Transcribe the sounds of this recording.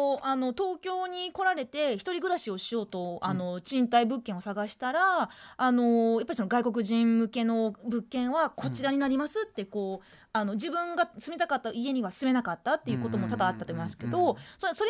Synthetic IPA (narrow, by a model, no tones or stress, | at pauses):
oʔano̞t̪o̞ːkʲo̞ːɲ̟iko̞ɾaɾe̞t̪e̞çi̥t̪o̞ɾʲiɡɯ̟ɾaɕio̞ɕio̞ːt̪o̞ano̞t͡ɕĩnt̪aibɯ̟kːẽo̞saɡaɕi̥t̪aɾaːno̞japːaɾisonoɡaiko̞kɯ̟ʑĩmmɯ̟ke̞no̞bɯ̟kːẽ̞ɰ̃βako̞t͡ɕiɾaɲ̟inaɾʲimasɨt̪ːe̞ko̞ː | ano̞d͡ʑibɯ̟̃ŋɡasɨmʲit̪akat̪ːaie̞ɲ̟iβasɨme̞nakat̪ːat̪ːejɯ̟kot̪omo̞t̪ad̪aːt̪ːat̪omimasɨ̥ke̞d̪o̞soso̞ɾe